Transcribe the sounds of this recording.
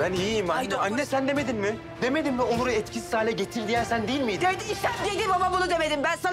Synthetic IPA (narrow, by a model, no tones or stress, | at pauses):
bæniːmanːɛanːɛsænd̪eme̞d̪inmɪ | d̪e̞me̞d̪inmɛonuɾaɛt̪cʰisi̥saːlʲɛɟet̪ʰilʲd̪ijænsænd̪ejilʲmijd̪d̪ed̪iiʃænd̪ied̪ibamabunud̪e̞med̪imbænsa